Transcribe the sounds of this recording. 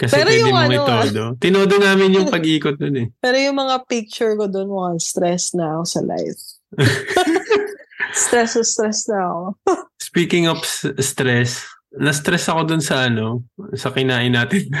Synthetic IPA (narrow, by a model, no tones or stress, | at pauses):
kɐspɛɾɛjʊɪŋɐŋɪt̪oːd̪o̞t̪ɪnoːd̪onaːmɪnjʊŋpɐɡiːkot̪̚nonɛpɛːɾojʊŋmɐŋapɪk̚t͡ʃʊɹkod̪onwɐɐst̪ɾɛsnɐɐko̞sɐlʔa̰jf | st̪ɾɛsost̪ɾɛsnɐɐkospiːkɪŋɐpsst̪ɾɛsnɐst̪ɾɛsɐko̞d̪ʊnsɐʔɐno̞sɐkɪnaːʔɪnːaːt̪ɪn